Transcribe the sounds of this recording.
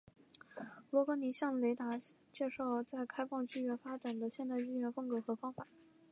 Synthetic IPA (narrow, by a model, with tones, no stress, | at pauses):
lwɔ˧˥kɤ˧˥ni˧˥ɕjɑ˥˩ŋle˧˥ɪt̪a˧˥t͡ɕjɛ˥˧ʂɑ˥˩ʊt͡sa˥˩ɪkʰa˥ɪfɑ˥˧ŋt͡ɕy˥˧ɥɛ˥˩fa˥ʈ͡ʂa˨˩nd̪ə˦ɕjɛ˥˧nt̪a˥˧ɪy˥˧ɥɛ˥˩nfɤ˥ŋkɤ˧˥xɤ˧˥fɑ˥ŋfa˨˩˦n